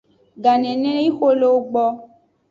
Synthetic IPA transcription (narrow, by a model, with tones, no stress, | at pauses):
ɡa˨nɛ̃˨nẽ˦i˦xo˦lo˦wo˦ɡ͡bɔ˦